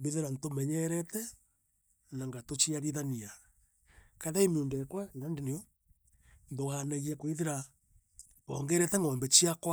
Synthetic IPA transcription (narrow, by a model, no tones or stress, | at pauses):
beðeɾantomɛɲɛɾɛtɛ | naŋɡatot͡ʃiaɾiðania | kaðaimondɛkwanandeneo | nðoɣanaɣiakwiðeɾa | βɔːŋɡɛɾɛtɛŋɔːmbɛt͡ʃiakwa